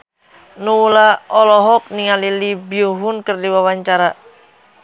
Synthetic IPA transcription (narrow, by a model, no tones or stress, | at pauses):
nuulaɔlɔɦɔk̚niŋalilibioɦʊnkərdiwawaɲt͡ʃaɾa